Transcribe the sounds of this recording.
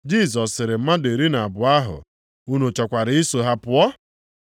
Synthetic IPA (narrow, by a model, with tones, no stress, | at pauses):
d͡ʒi˦˨s̬ɔ˨sɪ˨ɾɪ˨m̩˦ma˦de˨ɾi˦na˨a˨bʊ˨a˦ɦʊ̰˨ | u˦no˨t͡ʃɔ˨kʷa˨ɾɪ˨˦i˦so˨ɦa˦pʊ˦ɔ˦